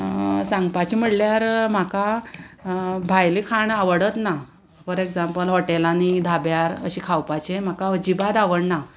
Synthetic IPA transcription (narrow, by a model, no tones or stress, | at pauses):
sãŋɡpat͡ɕim̤əɽljaɾm̤aka | bʱajlikʰaɳaʋəɽət̪na | pəɾekd͡zampəlɦɔʈelanid̪ʱabjaɾə̰ɕikʰawpat͡ɕem̤akaəd͡ʑibad̪aʋəɽna